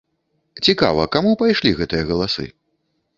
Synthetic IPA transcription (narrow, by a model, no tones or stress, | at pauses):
t͡sʲika̰vɐ̰kamupajʂlʲiɣɛt̪ɨjɐɣɐlˠasɨ̰